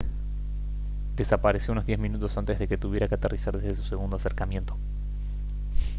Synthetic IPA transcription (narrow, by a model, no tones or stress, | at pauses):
d̪e̞sapaɾesjouno̞zðjezmĩnut̪o̞sant̪e̞zðeke̞t̪uβje̞ɾakeat̪earʔisaɾðezðesu̥se̞ɣ̞und̪o̞ase̞ɾkamje̞nt̪o̞̥